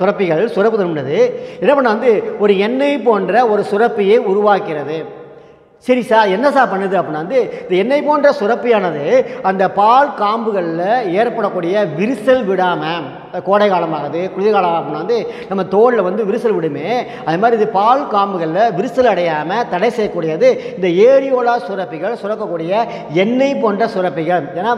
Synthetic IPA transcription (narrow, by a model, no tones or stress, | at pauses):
t̪ʊɾɐpːɪɣɐɭsʊɾɐpːɯt̪ɐɾmɳɖɐðɯɛnːɐpɐɳːaːʋɐnd̪ɯɔɾɯɛnːɐɪpoːndrɐɔɾɯsʊɾɐpːɯjeːʊɾʊʋaːkɪɾɐðɯ | sɐɾisaːɾɛnːɐsaːɾpɐɳːɐðɯɐpːɐɳːaːʋɐnd̪ɯɪnðɐɛnːɐɪpoːndrɐsʊrɐpːɪjaːnɐðɯɐnd̪ɐpaːlkaːmbɯɣɐɭɪlɐeːɾpɐɽɐkːuːɽɪjɐʋɪɾɯsɐlʋɪɽaːmɐ | koːɽɐɪɣaːlɐmaːɣɐðɯkʊɽɪðɐɪɣaːɭɐmɐpːɯnːaːɐnd̪ɯnɐmːɐt̪oːɽlɐʋɐnd̪ɯʋɪɾɯsɐlʋɪɽɯmeː | ɐððɐmaːd̪ɾiɪðɯpaːlkaːmbɯɣɐɭɪlɐʋɪɾɯsɐlɐɽɐjaːmɐt̪ɐɽɐɪsɛjɐkːuːɽɪjaːðɯɪnd̪ɐeːɽɪjoːlaːsʊɾɐpːɪɣɐɭsʊɾɐkːɐkːuːɽɪjɐ | ɛnːɐɪpoːndrɐsʊɾɐpːɪɣɐɭeːnːaː